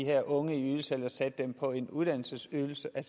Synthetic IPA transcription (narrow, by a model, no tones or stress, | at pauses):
iheɐ̰ʔɔ̽ŋəiyðˠl̩sel̰ɐsæd̥ːempʰɒ̽e̝nuðˠd̥æn̰l̩səsyːl̩səʔæ